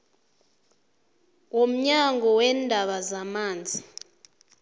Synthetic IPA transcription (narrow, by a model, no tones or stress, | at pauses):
wom̩ɲaŋʱɔwɛːndʱaɓazamaːnd͡zʱi